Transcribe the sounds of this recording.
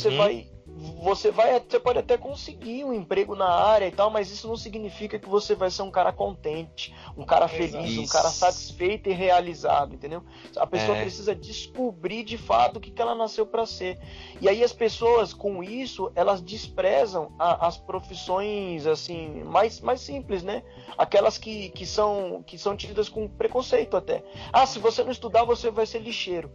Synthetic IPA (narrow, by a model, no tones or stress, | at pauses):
vosevaj | vosevajasepɔd͡ʒɪat̪ɛkõsɪɡiũẽpɾeɡʊnɐaɾjɐit̪awmɐzisʊnɐ̃w̃siɡinifikɐkɪvosevajseɾũkaɾʔɐkõnt̪ẽt͡ʃɪ̥ | ũka̰ɾɐfelizũka̰ɾɐsat͡ʃi̥sfejt̪ʊɪɦealiza̰d̪ʊẽnt̪ẽd̪ew | ɐ̰pesoɐpɾesizɐd͡ʒiskubɾiɾd͡ʒɪfa̰t̪ʊkɪ̥kɪɛlɐnasewpɾɐseɾiaiɐspesoɐskõw̃isʊɛlɐzd͡ʒɪspɾɛzɐ̃w̃ɐʔɐspɾofisõj̃zasĩmajsmajsĩplɪsnɛ | a̰kɛlɐskɪkɪsɐ̃w̃kɪsɐ̃w̃t͡ʃid̪ɐskõpɾekõsejt̪ʊat̪ɛ̰asɪvosenɐ̃w̃ɪst̪ud̪aɾvosevajseɾliʃeɾʊ